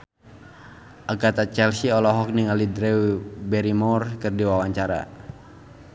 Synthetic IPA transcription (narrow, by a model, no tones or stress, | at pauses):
ʔaɡat̪at͡ʃɛlsiɔlɔɦɔk̚niŋalidɾɛibɛɾimɔrkɨrdiwawaɲt͡ʃaɾa̰